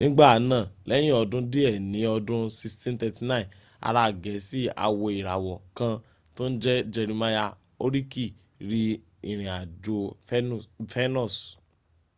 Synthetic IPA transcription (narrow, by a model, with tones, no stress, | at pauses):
nĩ˦ɡ͡ba˦˨˦nã˦˨lɛ˦j̃ĩ˦ɔ˧dũ˦di˦ɛ˦˨nĩ˨˦ɔ˧dũ˦si˧stɛ̃˦n˦tɛ˧ti˧nã˦ĩ˨ | a̰˨˧ɾa˧˦˨ɡɛ˨˦si˦a̰˧wɔ˧i˨ɾa˨wɔ˨kã˧ | tõ˦n̩˦d͡ʒɛ˦d͡ʒɛ˧ɾĩ˧ma˦ja˧ | o˦ɾi˦ki˦˨ | ɾi˧ | i˨ɾ̃ĩ˨a˨d͡ʒo˧ | fɛ˦nɔ̃˦˨s